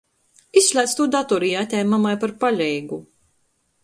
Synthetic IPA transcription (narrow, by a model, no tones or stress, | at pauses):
isːlʲæːt̪st̪uːd̪at̪ɔɾijat̪ʲɛjmamajpaɾpaʎʲɛjɡu